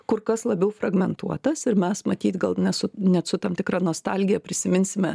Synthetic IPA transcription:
kʊrkɐslˠɐbʲɛʊfrɐɡmʲɛnt̪uɔt̪ɐsɪɾmʲɛsmɐt̪ʲiːt̪ɡɐlˠnʲɛtsʊnʲɛt̪sʊt̪ɐːmt̪ʲɪkɾɑːnoːst̪ɑlʲɡʲɪjɛpʲɾʲɪsʲɪmʲɪnʲsʲɪmʲɛ

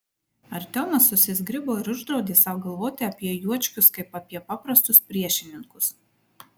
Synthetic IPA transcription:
ɐɾʲt̪ʲɛlˠnɐsːʊsʲɪzʲɡɾʲɪboːɪɾʊʒd̪ɾɒʊd̪ʲiːsɑʊɡɐlˠʋoːt̪ʲɪɐpʲiɛjuɔt͡ʃʲkʲʊskɐɪpɐpʲiɛpɑːpɾɐst̪ʊspʲɾʲiɛʃʲɪnʲɪŋkʊs

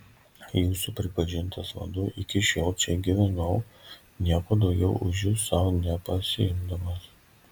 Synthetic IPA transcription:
juːsʊpʲɾʲɪpɐʒʲɪnt̪ɐsʋɐ̰d̪ʊʔɪkʲɪʃʲoːlˠt͡ʃʲɛɡʲiʋʲɛnɐʊ | nʲiɛkoːd̪ɒʊɡʲɛʊʔʊʒjuːsɑʋonʲɛpɐsʲɪ̰ɪmd̪ɐmɐs

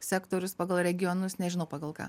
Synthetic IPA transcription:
sʲæːkt̪oːɾʲʊspɑːɡɐlˠɾʲɛɡʲɪjonʊsnʲɛʒʲɪnɐʊpɑːɡɐlˠkɑ̰ː

